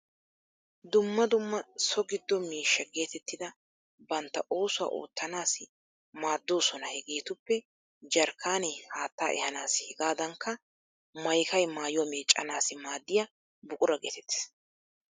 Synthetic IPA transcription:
d̪ʊmːɐd̪ʊmːɐsɔɡɪd̪ːɔmiːʃːɐɡe̞ːt̪ɛt̪ːɪd̪ɐ | bɐnt̪ːɐʔo̞ːsʊwa̰ːʔo̰ːt̪ːɐnaːsɪ | maːd̪ːo̞ːsɔnɐhɛɡe̞ːt̪ʊpːɛ | d͡ʒɐɾkʰaːnɛhaːt̪ːaːʔɛ̰hɐnaːshɛɡaːd̪ɐŋkːɐ | mɐjkɐjmaːjʊwɐmeːt͡ʃʼːɐ̰naːsɪmaːd̪ːɪja | bʊkʼʊɾɐɡeːt̪ɛt̪ːɪ̥s

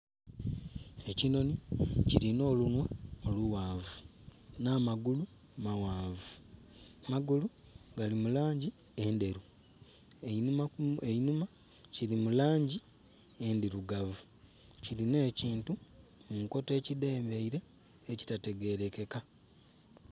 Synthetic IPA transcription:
e̞cino̞nicilino̞ːlunweoluwaːvunaːmaɡulu | mawaːvu | maɡuluɡalimulaːɲɟi | e̞ːnde̞ɾu | emaeinuma | cilimulaːɲɟi | endiɾuɡavu | ciline̞ːciːntumuŋko̞te̞ːcide̞ːmbeiɾe̞ː | ci̥tate̞ɡe̞ɾe̞ke̞ka

